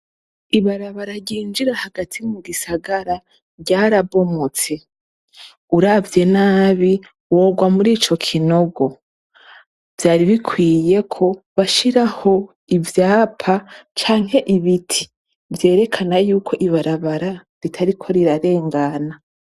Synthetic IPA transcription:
iβaɾaβaɾaɟiːnd͡ʒiɾahaɡatʰimuɡisaɡaɾa | ɾɟaːɾaβo̞mot͡se̞ | uɾavje̞naːβi | wo̞ːɡwamuɾiːt͡ʃo̞kʰino̞ɡo̞ | v̥jaːɾiβikʰwiːje̞kʰo̞βaʃiɾaho̞ | ivjaːpʰat͡ʃaːŋ̥he̞ʔiβitʰi̥ | vje̞ːɾe̞kʰanajuːkʰo̞ʔiβaɾaβaɾa | ɾitʰaɾikʰo̞ɾiɾaɾe̞ːŋɡana

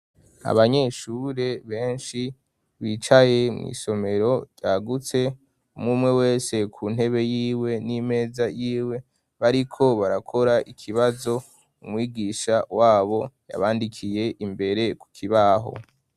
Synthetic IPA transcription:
a̰βaɲe̞ʃuːɾe̞βe̞ːnʃi | βiːt͡ʃaje̞mŋḭːso̞me̞ɾo̞ɟjaːɡut͡se̞ | umŋuːmŋe̞we̞ːse̞kʰuːn̥he̞βe̞jiːwe̞nime̞ːzajiːwe̞ | βaɾikʰo̞βaɾakʰo̞ɾaʔikʰiβazo̞ | umwiːɡiʃawaːβo̞ja̰βaːndikʰije̞ʔimbe̞ɾe̞ku̥kʰiβaɦo̞̰

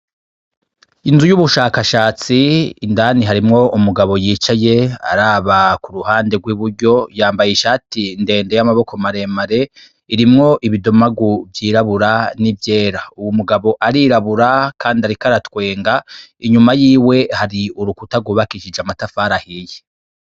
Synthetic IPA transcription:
inzujuβuʃaːkaʃaːt͡siːndaːniɦaɾimŋo̞ʔumuɡaβo̞jiːt͡ʃaje̞a̰ɾaːβakuɾuhaːnde̞ɡwiβuɾɟo̞jaːmbajiʃaːtinde̞ːnde̞jamaβo̞ko̞maɾe̞ːmaɾe̞ | iɾimŋo̞ʔiβidomaɡuvjiːɾaβuɾanivje̞ːɾauwumuɡaβo̞ʔaɾiɾaβuɾakʰaːndiaɾikaɾatwe̞ːŋɡaiɲumajiːwe̞haɾiuɾukutaɡuːβakiʃid͡ʒamatafaːɾahije

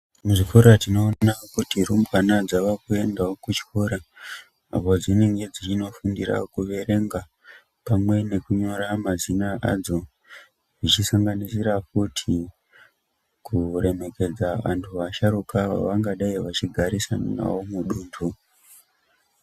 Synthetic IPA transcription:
muʐifoɾatino̞nakutirumbwanad͡zaʋakue̞ndaokut͡ʃi̥koɾa | a̰po̞d͡zineŋɡe̞d͡zit͡ʃino̞fundira̰kuʋe̞ɾe̞ŋɡa | pamwe̞ne̞kuɲo̞ɾamazinaʔa̰d͡zo̞ | ʐit͡ʃisaŋɡanisiɾakutʰi | kuɾe̞me̞ke̞d͡zaʋa̰ntʰuʋaʃaɾukaʋa̰ʋaŋɡaɗaiʋat͡ʃiɡʱaɾisana̰womuɗuːntʰu

